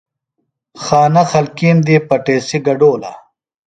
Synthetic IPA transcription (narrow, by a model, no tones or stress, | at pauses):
xaːnɐxɐlkiːmd̪ipɐʈeːsiɡɐɖoːlɐ̰